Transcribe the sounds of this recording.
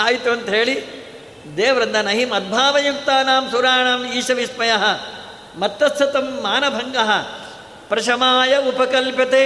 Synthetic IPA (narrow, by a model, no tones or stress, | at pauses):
aːjit̪uɐnt̪ɐɦeːɭi | d̪eːʋɐɾɐnd̪ɐnɐɦimɐd̪̚bʱaːʋɐjuk̚t̪aːnaːmsuɾaːɳaːmiːʃɐʋismɐjɐɦɐ̆ | mɐt̪ːɐst̪ʰɐt̪ɐmːaːnɐbʱɐŋɡɐɦɐ | pɾɐʃɐmaːjɐupɐkɐlpjɐt̪eː